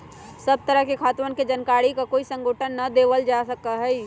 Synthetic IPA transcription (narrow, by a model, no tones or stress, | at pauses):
səb̚t̪əɾəɦkekʰaːt̪ʋənked͡ʒənkaːɽikakoːisə̃ŋɡoːʈʰənːɐd̪eːʋəld͡ʒasəkaɦɛi